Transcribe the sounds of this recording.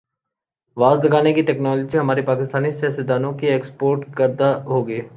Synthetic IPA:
ʋaːzd̪ɐɡaːnekiʈɛːknɔːlːd͡ʒiɦɐmaːɾipaːkɪst̪aːnisaːsɪd̪aːnõkieːkspoːɾʈkəɾd̪aɦoːɡeː

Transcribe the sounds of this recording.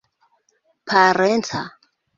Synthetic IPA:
pʰaɾɛntʰa

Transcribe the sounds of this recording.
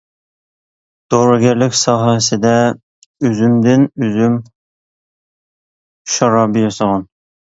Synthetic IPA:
d̪̥oɾɑɡʲæɾlɪkʲsɑːɦæsɪd̪ɛ | øzymd̪ɪnøzym | ʃɑɾɑbɨjɑsɑʁɑn

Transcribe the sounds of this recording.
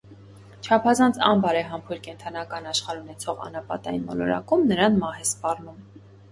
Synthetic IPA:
t͡ʃʰɑpʰɑzɑnt͡sʰɑmbɑɾɛɦɑmpʰuɾkɛnt̪ʰɑnɑkɑnɑʃχɑɾunɛt͡sʰɔʁɑ̰nɑpɑ̰t̪ɑjinmɔ̰lɔ̰ɾɑ̰kumnəɾɑnmɑhɛspɑrnum

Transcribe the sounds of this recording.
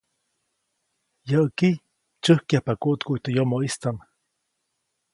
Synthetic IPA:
jəʔəki | t͡ʃəhkjahpakuʔt̪kuit̪əjomoʔist͡s̪an

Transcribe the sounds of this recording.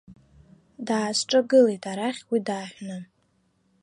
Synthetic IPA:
daːzʈ͡ʂʼaɡɨlejtʰʼaɾaχʲwidaːħʷᶣna

